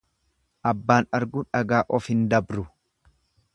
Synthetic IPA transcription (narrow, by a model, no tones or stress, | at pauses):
ʔɐbːaːnɐɾɡʊᶑɐɡaːʔɔfhɪnd̪ɐbɾʊ